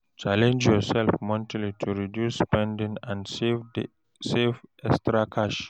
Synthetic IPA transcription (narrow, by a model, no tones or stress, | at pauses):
t͡ʃalɛ̃nd͡ʒjɔsɛlfmɔ̃ntʰalitʰuɹidjusːpɛ̃ndĩŋãnvd | sefɛkstɹakʰaʃ